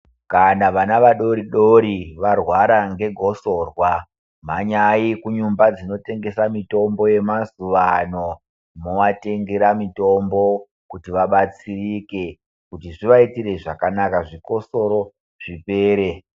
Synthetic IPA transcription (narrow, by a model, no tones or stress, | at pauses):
kanaʋanaʋaɗo̞ɾiɗo̞ɾiʋarwaɾaŋɡe̞ɡʱo̞so̞rwa | m̤aɲaikuɲumbad͡zino̞te̞ŋɡe̞samito̞mbo̞je̞mazuʋa̰no̞ | moʋate̞ŋɡeɾamito̞mbo̞ | kutiʋaɓat͡sirike̞ | kutiʐiʋaitire̞ʐakanakaʐiko̞so̞ɾo̞ | ʐ̥ipe̞ːɾe̞